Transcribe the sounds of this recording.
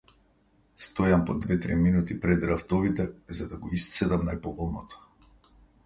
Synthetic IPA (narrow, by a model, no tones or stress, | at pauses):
st̪ɔjampɔd̪vɛt̪ɾiminut̪ipɾɛd̪ɾaft̪ɔvit̪ɛzad̪aɡɔist̪sɛd̪amnajpɔbɔlˠnɔt̪ɔ̥